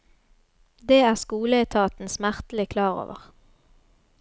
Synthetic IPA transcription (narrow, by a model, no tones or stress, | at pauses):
d̪eːæːʁskuːləæɪt̪ʰɑːt̪n̩smæʁt̪l̩ɪkʰlɑːʁo̰ːʋə̰ʁ